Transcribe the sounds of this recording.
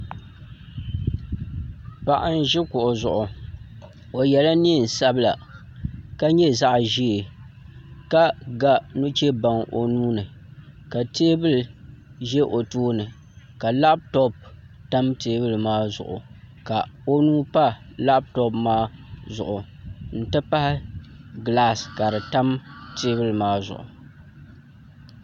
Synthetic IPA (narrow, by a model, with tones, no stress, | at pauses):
pa˨ʔa˦n˦ʒɪ˦kʊ˨ʔʊ˨zʊ̰˨ʔʊ˨ | o˨jɛ˨la˦ni˦˨n̩˨sa˦bɨ˦la̰˨ | ka˦ɲɛ˦za˦ʔʒi˦e˨ | ka˦ɡa˦nu˦t͡ʃɛ˦ba˨ŋʔo˨nuː˦nɨ˨ka˨teː˦bɨ˦lɨ˨ʒɛ˦ʔo˨tuː˦nɨ˨ | ka˨la˦b̚tɔ˦p̚ | ta˦mteː˦bɨ˦lɨ˨maː˦zʊ̰˨ʔʊ̰˨ | ka˨o˦nuː˦pa˦la˦b̚tɔ˦pmaː˦zʊ̰˨ʔʊ˨ | n̩˨tɨ˦pa˦hɪ˦ɡla˦ska˨ɾɨ˨ta˦mteː˦bɨ˦lɨ˨maː˦zʊ̰˨ʔʊ̰˨